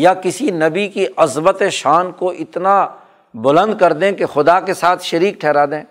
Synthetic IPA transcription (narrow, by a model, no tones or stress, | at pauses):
jakɪsinɐbikiʔɐzbət̪eʃaːnkoʔɪt̪na | bʊlə̃nd̪̚kɐɾd̪ẽkexʊd̪akesaːt̪ʰʃɐɾiːk̚ʈʰɛːɾaːd̪ẽː